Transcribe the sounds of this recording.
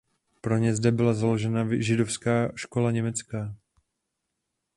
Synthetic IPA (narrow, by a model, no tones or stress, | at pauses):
pɾo̞ɲɛzdɛbɪlazalo̞ʒɛnaʒɪdo̞fskaːʃko̞laɲɛmɛt͡skaː